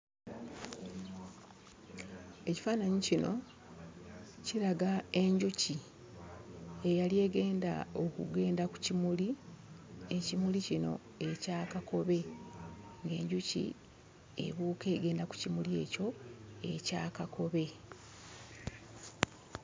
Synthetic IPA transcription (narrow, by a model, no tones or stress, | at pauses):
e̞ci̥faːnaɲicino̞̰ | ciɾaɡae̞ɲɟuci | e̞jalie̞ːɡe̞ːnda̰o̞kṵɡe̞ːndaku̥cimuli | e̞cimulicino̞̰ | e̞caːkako̞βe̞ | ŋɡe̞ːɲɟucḭ | e̞̰βuːke̞ːɡe̞ːndaku̥cimulie̞̰ːco̞e̞caːkakʰo̞βe̞